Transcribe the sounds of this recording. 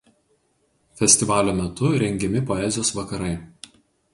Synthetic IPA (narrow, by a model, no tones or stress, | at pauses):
fʲɛsʲt̪ʲɪʋɑːlʲoːmʲɛt̪ʊɾʲɛŋʲɡʲɛmʲɪpɔɛˑzʲɪjoːsʋɐkɐɾɐɪ